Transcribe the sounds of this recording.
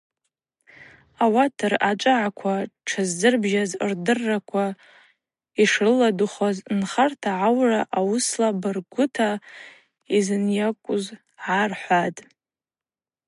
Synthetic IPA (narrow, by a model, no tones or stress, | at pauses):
awatʰarat͡ʃʷʼɨʕakʷʰaʈ͡ʂʰazːɨrbʒazrdɨrːakʷʰa | iʂrɨladuχaznχartʰaʕawraʔawʊslabɨrɡʷʊtʰa | izɨnjakʷʼʊz | ʕarħʷatʼ